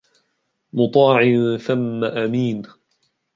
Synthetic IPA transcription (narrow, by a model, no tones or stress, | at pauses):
mʊt̪ˤɑːʕɪθamːaʔamiːn